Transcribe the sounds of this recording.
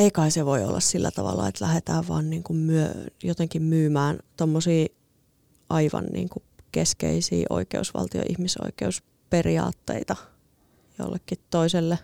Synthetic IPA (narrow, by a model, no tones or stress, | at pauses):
eikɑiseʋoio̰lːɑssilːæt̪ɑʋɑlːɑet̪læhet̪æːʋʋɑ̰ːnniːŋkummyøjot̪eŋkimmyːmæːnt̪omːosiː | ʔɑiʋɑ̰nnḭːŋku | keskeisḭːʔo̰ikeusʋɑ̰lt̪io̰ʔihmiso̰ikeus | periɑːt̪ːeit̪ɑ | jo̰lːekːit̪toiselːe